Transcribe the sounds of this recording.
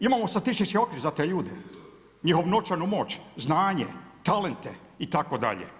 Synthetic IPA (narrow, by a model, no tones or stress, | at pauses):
imaːmost̪at̪isʃit͡ʃio̞kʋiɾzat̪eːʎuːd̪e | ɲixo̞ʋnot͡ʃaɾnumo̞ːt͡ɕznaːɲḛt̪alent̪e | it̪akod̪a̰ʎḛ